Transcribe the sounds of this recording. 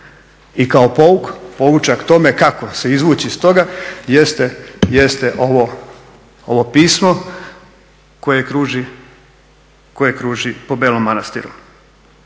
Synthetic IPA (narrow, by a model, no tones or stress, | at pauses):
ikaopo̞ukpo̞ʋut͡ʃakt̪o̞me̞kako̞se̞izʋuːt͡ɕist̪o̞ɡajest̪ejest̪eʔo̞ʋo | oʋo̞piːsmo̞ | ko̞jekɾuːʒi | ko̞jekɾuːʒipo̞beːlomːanast̪ḭɾṵ